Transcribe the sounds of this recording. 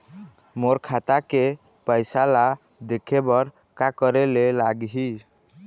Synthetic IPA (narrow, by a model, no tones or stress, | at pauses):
moɾkʰat̪ake | pəjsala | d̪ekʰebɔɾ | kakəɾelelaɡɦi